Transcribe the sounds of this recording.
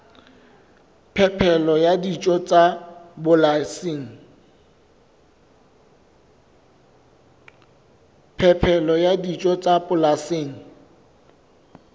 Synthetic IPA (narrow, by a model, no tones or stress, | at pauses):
pʰɛpʰɛlɔjadit͡ʃʼɔt͡sʼabʊlasɪːŋ̩ | pʰɛpʰɛlɔjadit͡ʃʼɔt͡sʼabʊlaseːŋ̩